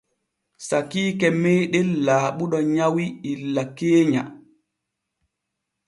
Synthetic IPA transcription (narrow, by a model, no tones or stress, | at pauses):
sakiːkɛmeːɗɛlːaːɓuɗɔɲawiilːakeːɲa̰